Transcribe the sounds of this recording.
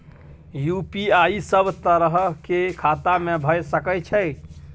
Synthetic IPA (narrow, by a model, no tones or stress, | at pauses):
jupiaisəbt̪əɾəɦkekʰat̪amebʱəjsəkəjt͡ʃʰɛj